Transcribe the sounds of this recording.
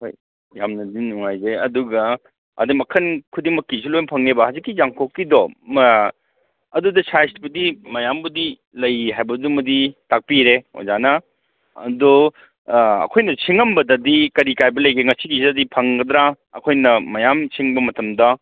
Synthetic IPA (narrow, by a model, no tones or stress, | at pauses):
ho̰j | jamnɐdinuŋajzeɐ̰duɡɐ | ɐ̰dɐmɐkʰɐnkʰudimɐkːisilojnpʰɐŋnebɐhazikːizaŋkʰokːidɔm | ɐdudɐsʰajstbɐdimɐjambɐdi | lɐjɦajbɐdumɐditak̚piɾeo̰jzanɐ | ɐ̰dɔ | ɐ̰kʰojnɐsiŋɐmbɐdɐdikɐɾikajbɐlɐjkʰeŋɐsiɡisiɐdipʰɐŋɡɐd̪ɾa | ɐ̰kʰojnɐmɐjamsiŋbɐmɐtɐmdɐ